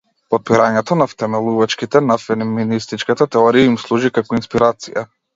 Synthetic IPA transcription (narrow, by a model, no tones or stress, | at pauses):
pɔt̪̚piɾaɲɛt̪ɔnaft̪ɛmɛlˠuvat͡ʃkit̪ɛnafɛniminist̪it͡ʃkat̪at̪ɛɔɾiaimslˠuʒikakɔinspiɾat̪sija̰